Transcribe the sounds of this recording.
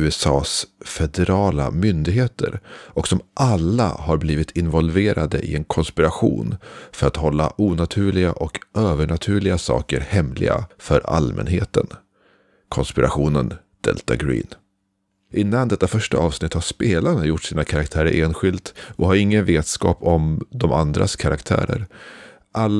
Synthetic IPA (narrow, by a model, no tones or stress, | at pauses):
ʉ̟ːɛsɑːsfɛd̪ɛɾɑːla̰mʏnd̪ɪɡɦeːt̪ʰə̰ɾʔɔksɔmʔalːa̰haɾbliːvɪt̪ʰɪnvɔlveːɾʔad̪əʔɪɛnkʰɔnspɪɾaɧṵːnfœɾat̪hɔlːaʔuːnat̪ʰʉ̟ːɭɪɡaʔɔkøːvəɳat̪ʰʉ̟ːɭɪɡasɑ̰ːkəɾhɛmlɪ̰ɡa̰fœɾa̰lmɛ̰nɦḛːt̪ə̰n | kʰɔnspɪɾaɧuːnən | d̪̥ɛ̰lt̪aɡɾḭːn | ʔɪnːand̪ɛt̪ːafœʂʈaʔɑːvsnɪt̪haʂpeːlaɳajʊʈːsiːnakʰaɾakt̪ʰæːɾə̰ɾʔeːnɧɪlt̪ɔhaɾɪŋːənveːt̪skɑːpɔmd̪ɔmʔand̪ɾʔa̰skʰaɾʔakt̪ʰæ̰ːɾəɾ | ʔalː